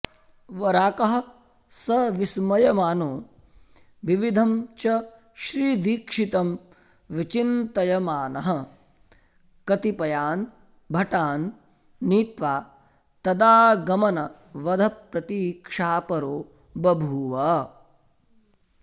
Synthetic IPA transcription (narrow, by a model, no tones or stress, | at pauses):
ʋɐɾaːkɐɦɐ̆ | sɐʋismɐjɐmaːnoː | ʋiʋid̪ʱɐmt͡ʃɐ | ʃɾiːd̪iːkʂit̪ɐm | ʋit͡ʃint̪ɐjɐmaːnɐɦɐ̆ | kɐt̪ipɐjaːn | bʱɐʈaːnː | iːt̪ʋaː | t̪ɐd̪aːɡɐmɐnɐ | ʋɐd̪ʱɐpɾɐt̪iːkʂaːpɐɾoː | bɐbʱuːʋɐ